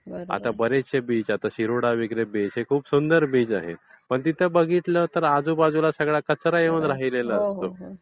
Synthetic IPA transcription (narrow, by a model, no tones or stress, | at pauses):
a̰t̪abəɾeɕebiːd͡zat̪aɕiɾoɽaʋiɡɾebeɦekʰuːpsund̪əɾbiːd͡zaɦḛ | pəɳt̪it̪ʰəbəɡʱit̪lət̪əɾad͡zuːbad͡zulasəɡɭakət͡sɾajeʋəd̪ɾaɦileləast̪o